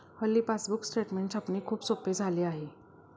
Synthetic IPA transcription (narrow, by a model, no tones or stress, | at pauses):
həlːiːpasbuksʈeʈmẽɳʈsapniːkʰuːbsoped͡zʱaleːaɦe